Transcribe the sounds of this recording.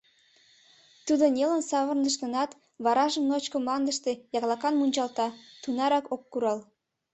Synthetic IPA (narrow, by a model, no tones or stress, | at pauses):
t̪ud̪onʲelənsɑβə̆rnəʃ̬t̪ə̆nɑt̪ | βɑɾɑʒəmnot͡ɕkomlɑnd̪əʃt̪ejɑɣlɑkɑnmunʲt͡ɕɑlt̪ɑt̪unɑɾɑkokːuɾɑl